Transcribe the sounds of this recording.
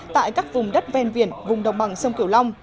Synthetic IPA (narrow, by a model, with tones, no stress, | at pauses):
t̪a̰ː˧˨jkaː˦˥k̚vʊ˨˩ŋ͡mɗə˦˥t̚vɛ˧nvḭ˧˩ənvʊ˨˩ŋ͡mɗə˨˩wŋ͡mɓa˨˩ŋsə˧wŋ͡mki˧˩əwla˧wŋ͡m